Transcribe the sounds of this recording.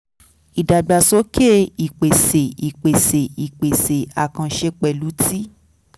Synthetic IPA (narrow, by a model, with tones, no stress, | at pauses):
i˨da˨ɡ͡ba˨˧sɔ˦ke˦i˨k͡pe˨se˨i˨k͡pe˨se˨i˨k͡pe˨se˨a˨kã˧ʃe˧k͡pɛ˨lu˨˦ti˦